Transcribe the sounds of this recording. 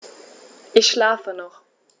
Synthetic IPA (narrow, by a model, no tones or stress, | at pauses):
ʔɪçʃlaːfənɔχ